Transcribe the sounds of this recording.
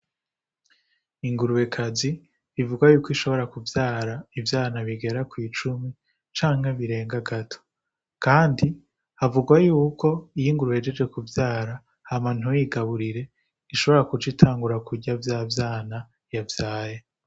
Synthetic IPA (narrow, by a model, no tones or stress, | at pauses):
iŋɡuɾuwe̞kʰazi | ivuɡwajuːkoiʃo̞βo̞ɾakuvjaːɾaivjaːnaβiɡe̞ɾakwiːt͡ʃumi | t͡ʃaːŋheβiɾe̞ːŋɡaɡatʰo̥ | kaːndi | avuɡwajuːko̞ijiŋɡuɾuwed͡ʒed͡ʒɡe̞kuvjaːɾa | haman̥ujiɡaβuɾiɾe̞ | iʃo̞βo̞ɾakut͡ʃitʰaːŋɡuɾakuɟavjaːvjaːna | javjaːje